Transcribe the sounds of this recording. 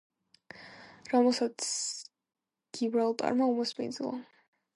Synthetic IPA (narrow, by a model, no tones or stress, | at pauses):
ɾɔmɛlˠsat̪sʰ | ɡ̥ibɾalˠt̪ʼa̰ɾmaumɔsmḭnd̪zilˠa̰